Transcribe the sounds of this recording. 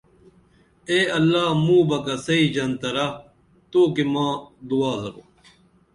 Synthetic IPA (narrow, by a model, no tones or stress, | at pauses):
eːɐlːaːmũːbɐkɐsɐiːd͡ʑɐnt̪ɐɾa | t̪oːkimãːd̪uaːzɐɾo̰ː